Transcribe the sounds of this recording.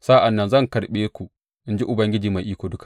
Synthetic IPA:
saː˦ʔa˨nːɐ˦nzɐ˦ŋkɐ˨ɽɓeː˦kʷu˨ | ʔɪ˦nd͡ʒi˦ʔʊ˨bɐ˦ŋɡʲɪ˦d͡ʒiː˨ma˨jʔiː˦kʷoː˨dʊ˦kḁ˨

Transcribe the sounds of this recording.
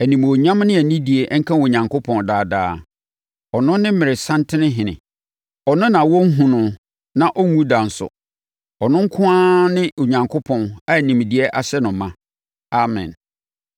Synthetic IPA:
æ˨nĩ˨m˨ɔ˨ɲã˦mnɪ̃˦æ˨nĩ˦di˨e˨ʔŋ̩˦kʰã˦o˨ɲã˨ŋkʰo˦pʰɔ̃˨ndaː˨daː˦ | ɔ˨nʊ̃˦nɪ̃˦m̩˦mɪ˨ɾɪ˨sã˦ntʰɪ˦nɪ̃˦ɦɪ̃˨nɪ̰̃˨ | ɔ˨nʊ̃˦nã˨wɔ˦ŋ̩˦ɦũ˨nʊ̃˨ | nã˨ʔɔ˦ŋũ˦da˨n̩˨sʊ̰˨ | ɔ˨nʊ̃˦ŋ̩˦kʰʊ̃˦a˦nɪ̃˦o˨ɲã˨ŋkʰo˦pʰɔ̃˨na˦˨nĩ˨m˨di˨ɛ˦ʔa˨ɕɛ˦nʊ̃˨˦mã˦ | a˨mɛ̰̃˨n

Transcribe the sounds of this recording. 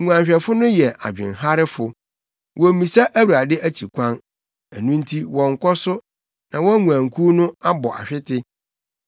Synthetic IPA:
ŋũ˨ã˨ɲɕᶣɛ˨fʊ˦nʊ̃˦jɛ˨a̰˨d͡ʑᶣɪ̰̃˨nɦa˦ɾɪ˦fʊ˨ | wɔ˨mĩ˨sa˦ʔæ˦wu˨ɾa˨dɪ˦ʔæ˦t͡ɕʰi˨kʷʰã˦n | æ˨nũ˦n̩˦tʰi˦wɔ̃˨ŋ̩˨kʰɔ˦sʊ˦ | nã˨wɔ̃˦ŋũ˨ã˨ŋ˨kʰu˦nʊ̃˦a˦bɔ˨ʔa̰˨ɕᶣɪ˦tʰɪ˦

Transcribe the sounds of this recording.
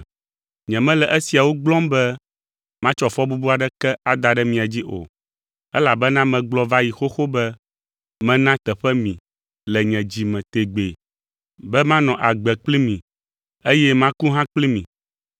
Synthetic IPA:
ɲɛ̃˨mɛ̃˦lɛ˨ʔɛ˦si˨a˨wo˦ɡ͡blɔ̃˦mbɛ˦ | mã˦t͡ʃɔ˨fɔ˦bu˦bu˦a˨ɖɛ˦kɛ˦a˨d̪a˨ɖɛ˦mĩ˨a˨d͡ʑi˦ʔo̰˨ | ɛ˦la˨bɛ˦nã˦mɛ̃˨ɡ͡blɔ˦va˦ji˨xo˦xo˦bɛ˦ | mɛ̃˦nã˦t̪ɛ˨ɸɛ˦mĩ˨ | lɛ˨ɲɛ̃˨d͡ʑi˨mɛ̃˨t̪e˨ɡ͡be˨ | bɛ˦mã˦nɔ̃˨ʔa˨ɡ͡bɛ˨k͡pli˦mĩ˨ | e˦jɛ˦mã˦ku˦ɦã˦k͡pli˦mĩ˨

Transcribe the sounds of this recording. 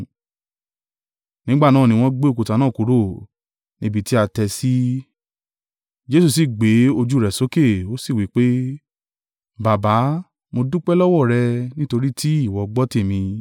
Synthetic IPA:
nĩ˨˦ɡ͡ba˦˨nãː˦˨nĩ˧w̃ɔ̃˦ɡ͡be˦o˧ku˧ta˨˧nãː˦˨ku˧˦ɾo˦˨ | nĩ˦bi˧ti˦a˧tɛ˧si˦ | d͡ʒe˦s̬u˦˨s̬i˦˨ɡ͡be˨˦o˧d͡ʒu˦˨ɾɛ˨so˦ke˦˨o˦si˦˨wi˨˦k͡pe˦ | ba˨ba˨˦ | mo˧du˦k͡pɛ˦lɔ˦wɔ˦˨ɾɛ˧nĩ˦to˧ɾi˦tʰi˦i˦˨wɔ˨ɡ͡bɔ˦te˦˨mĩ˧

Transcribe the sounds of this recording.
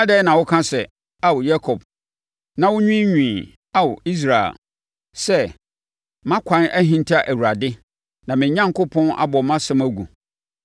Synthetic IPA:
a˦dɛ˦nã˨wʊ˦kʰã˦sɛ˨ | a˦wja˦kʰɔ˨b̚ | nã˦wʊ˦ɲᶣĩ˦ɲᶣĩː˨ | a˦wʊ˨i˦s̬ɾa˨ḛ˨l | sɛ˦ | mã˦kʷʰã˦nʔæ˦ɦĩ˨n˦tʰa˦˨ʔæ˨wu˨ɾa˨dɪ˦ | nã˨mɪ̃˨˦ɲã˦ŋkʊ˦pʰɔ̃˦na̰˦bɔ˨mã˦sɛ̃˦mæ˦ɡu˨

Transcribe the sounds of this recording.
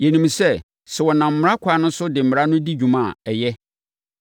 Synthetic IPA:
jɛ˨nĩ˨msɛ˦ | sɛ˨wɔ˨nã˨m̩˨m˦ɾa˦kʷʰa˨˦nʊ̃˦sʊ˦dɪ˨m̩˨m˨ɾa˦nʊ̃˦di˦d͡ʑᶣũ˨mã˦˨ɛ˨jɛ˦

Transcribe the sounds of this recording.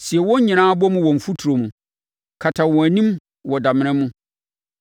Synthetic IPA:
si˨ɛ˨wɔ̃˦ɲĩ˨ãː˦bɔ˦mʊ̃˦wɔ̃˨ɱ̩˨fu˦tʰu˨ɾo˨mũ˨ | kʰa˨tʰã˨wɔ̃˨æ˨nĩ˦m | wɔ˨da˨mɪ̃˨˦ɾ̃ɪ̃˦mũ˦

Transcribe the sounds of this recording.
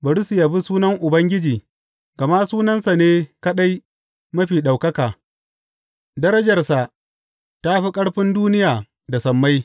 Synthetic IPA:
bɐ˨ɽʊ˦su˨ja˨bi˦suː˦nɐ˦ŋʔʊ˨bɐ˦ŋɡʲɪ˦d͡ʒiː˨ | ɡɐ˨ma˦suː˦nɐ˦nsa˨neː˦kɐ˦ɗa˦j | mɐ˦ɸiː˨ɗa˨wkɐ˦kaː˨ | dɐ˦ɾɐ˦d͡ʒɐ˨rsa˨ | ta˦ɸi˦kʼɐ˦ɽɸɪ˦nduː˦nɪ˦jaː˨ | da˨sɐ˨mːa˦j

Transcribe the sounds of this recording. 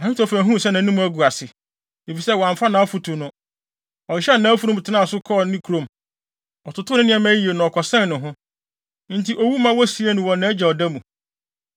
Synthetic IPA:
a˨ɪ˦tʰɔ˨fæ̃˨ɦũ˦˨sɛ˦nã˨˦ũ˦mũ˦æ˦ɡu˨a˨sɪ˨ | e˨fi˨sɛ˦wɔ̃˨ã˨ɱ˨fa˦nã˨a˦fu˨tʰʊ˨nʊ̃˦ | ɔ˨ɕɛ˦˨nãː˨˦æ˦fu˦ɾʊ̃˦˨tʰɪ˨˦nã˦˨sʊ˦kʰɔ˦˨nɪ̃˦kʰu˨ɾõ˨m | ɔ˨tʰʊ˨tʰʊ˦nʊ̃˦nɪ̃˦ɛ˦mã˦ji˨e˨nʊ̃˨ɔ˨kʰɔ˨sɛ̃˦nnʊ̃˨ɦʊ̃˦ | n̩˦tʰi˨ʔo˨wu˦mã˦wɔ˦si˨˦e˦nʊ̃˨wɔ̃˨nːã˦d͡ʑɛ˨ɔ˨dæ˦mũ˨

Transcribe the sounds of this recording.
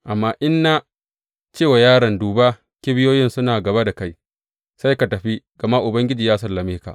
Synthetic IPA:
ʔa˨mːaː˦ʔɪ˦nːa˦ | t͡ʃeː˦˨wa˨jaː˦ɽɐ˨nduː˨ba˦ | kʲi˦bɪ˦joː˦jɪ˦nsʊ˦naː˨ɡɐ˨ba˦da˨ka˦j | sa˦jka˨tɐ˨ɸi˦ɡ̥ɐ˨ma˦ʔʊ˨bɐ˦ŋɡʲɪ˦d͡ʒiː˨jaː˦sɐ˨lːɐ˨meː˦ka̰˨ʔ

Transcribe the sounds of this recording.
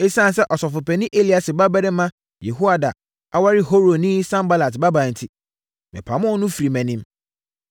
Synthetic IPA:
e˦sã˦˨n˨sɛ˦ʔɔ˨sɔ˨fʊ˨pɛ˨nɪ̃˦ʔe˦li˦a˨sɪ˨ba˦bɛ˦ɾɛ˦mã˦ | je˨ɦu˦a˨da̰˨ | a˦wa˦ɾɪ˦ɦo˦ɾo˨nɪ̃˦sã˦mba˦la˨tba˦bã˨n̩˨tʰɪ˦ | mɪ̰̃˨pʰa˨mʊ̃˦nʊ̃˦fi˨ɾi˨mɛ̃˨nĩ˦m

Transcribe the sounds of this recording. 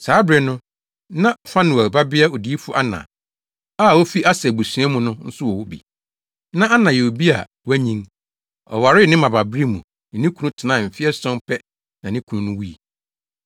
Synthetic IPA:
saː˨˦bɾɛ˨nʊ̃˦ | nã˦˨fã˦nɪ̃˨æ˨ba˦bɪ˦a˦o˨di˨˦e˦fʊ˦ʔa˦nã̰˨ | aː˦˨wo˦fi˦ʔa˦sɛ˨bu˨su˨ɛ̃˦mʊ̃˦nʊ̃˦n̩˦sʊ˦wɔ˨wʊ˦bḭ˨ | nã˦a˦nã˨jɛ˨o˨bi˦a̰˨ | wæ˦ɲĩ˦ŋ | ɔ̰˨wa˨ɾɪ˦˨nɪ̃˦mã˨ba˨bɾi˦mũ˨ | nɪ̃˨nĩ˦kʰu˨nũ˦tʰɪ˨nã˦˨m̩˨fɪ˦ɛ˦sɔ̃˦m˦pʰɛ˦ | nã˨nɪ̃˦kʰu˨nũ˦nʊ̃˦wu˦i˨

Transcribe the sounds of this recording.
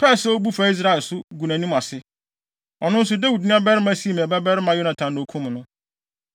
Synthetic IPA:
pʰɛ˦˨sɛ˦o˦bu˦fa˨i˦s̬ɾa˦˨lsʊ˦ɡu˨nã˨nĩ˦ma˨sɪ˦ | ɔ˨nʊ̃˦n̩˦s̬ʊ˨da˦wu˨dnɪ̃˦a˦bɛ˦ɾɪ˦mã˦si˦˨mĩ˨bɛ˦bɛ˦ɾɪ˦mã˦jʊ˦nã˨tʰã˨nʊ̃˨kʰũ˦m˨nʊ̃˦

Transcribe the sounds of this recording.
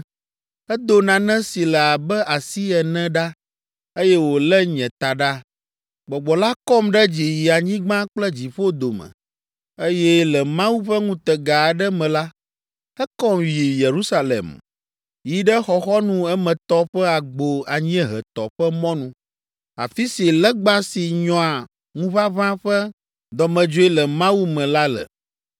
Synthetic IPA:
ɛ˦d̪o˨nã˨nɛ̃˦si˨lɛ˨a˨bɛ˦a˨si˦ɛ˨nɛ̃˦ɖa˦ | e˦jɛ˦wo˨lɛ˦ɲɛ̃˨t̪a˨ɖa˦ | ɡ͡bɔ˨ɡ͡bɔ˨la˦kɔ˦mɖɛ˦d͡ʑi˨ji˨a˨ɲĩ˦ɡ͡bã˦k͡plɛ˦d͡ʑi˨ɸo˦d̪o˨mɛ̰̃˨ | e˦jɛ˦lɛ˨mã˦wu˦ɸɛ˦ŋũ˦t̪ɛ˨ɡa˨ɖɛ˦mɛ̃˨la˦ | ɛ˦kɔ˦mji˨je˨ɾu˦sa˦lḛ˨m | ji˦ɖɛ˦xɔ˨xɔ˦nũ˦ɛ˦mɛ̃˨t̪ɔ˦ɸɛ˦a˨ɡ͡bo˨a˨ɲĩ˦ɛ˦ɦɛ˨t̪ɔ̰˨ɸɛ˦mɔ̃˦nũ˨ | a̰˨fi˦si˨lɛ˦ɡ͡ba˦si˨ɲɔ̃˨a˨ | ŋũ˦va˦βã˦ɸɛ˦ | d̪ɔ˨mɛ̃˨d͡ʒo˦ɛ˦lɛ˨mã˦wu˦mɛ̃˨la˦lɛ̰˨

